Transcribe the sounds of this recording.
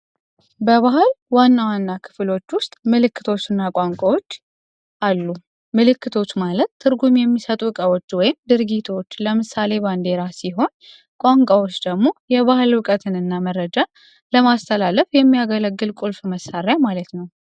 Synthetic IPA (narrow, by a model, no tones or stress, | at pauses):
bəβaɦɨlwanːawanːakʰɨ̥flo̞t͡ʃːwʊst̪ʼmɨlɨkːɨt̪ʰo̞t͡ʃːɨnːakʼaŋkʷʼawo̞t͡ʃː | ʔalːu | mɨlɨkːɨt̪ʰo̞t͡ʃːmalət̪ʰːɨɾɡumjɛmːisət̪ʼuɨkʼawot͡ʃːwɔjɪmd̪ɨɾɡit̪ʰo̞t͡ʃːləmɨsale̞band̪e̞ɾasiɦo̞n | kʷʼaŋkʷʼawot͡ʃːd̪əɡmo̞jɛβahɨlwɨkʼət̪ʰɨnɨnːamərːəd͡ʒa | ləmast̪ʰəlaləfjɛmːijaɡələɡːɨlkʼulfməsaɾjamalət̪nəw